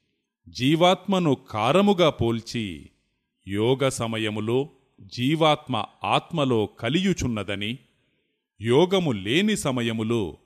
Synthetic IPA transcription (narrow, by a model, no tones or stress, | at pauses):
d͡ʒiːʋaːt̪mɐnukʰaːɾɐmuɡaːpo̞ːlt͡ʃḭ | jɔːɡɐsɐmɐjɐmuloː | d͡ʒiːʋaːt̪mɐ̰aːt̪mɐlo̞ːkɐlijut͡ʃunːɐd̪ɐni | jɔːɡɐmule̞ːnisɐmɐjɐmuloː